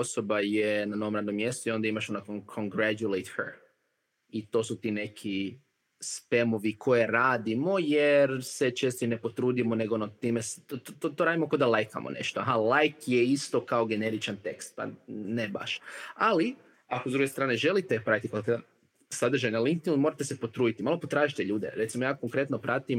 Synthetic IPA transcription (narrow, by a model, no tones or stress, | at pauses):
osobajenano̞ʋo̞mɾad̪nomːjest̪uio̞nd̪aimaʃonakonkʰoŋɡɾæt̪ulejt̪hə̰ | it̪o̞sut̪iːne̞kʰi | spe̞moʋikʰojeɾaːd̪imo̞jeɾse̞t͡ʃeːst̪oine̞po̞t̪ɾuːd̪imone̞ɡoonot̪iːmest̪t̪ot̪oɾaːd̪imokod̪alˠajka̰mo̰ne̞̰ʃt̪oa̰ɦalajkjeist̪o̞kaoɡe̞neɾit͡ʃant̪e̞kst̪̚pa̰neba̰ʃali | akozd̪ɾuɡe̞st̪ɾaːneʒe̞lit̪epɾait̪ikoka | sad̪r̩ʒajnaliŋk̚t̪inlmoɾat̪esepo̞t̪ɾuːd̪it̪imaːlˠopot̪ɾaːʒit̪e̞ʎuːd̪ḛɾe̞t̪simo̞jaːkoŋkɾe̞t̪nopɾat̪im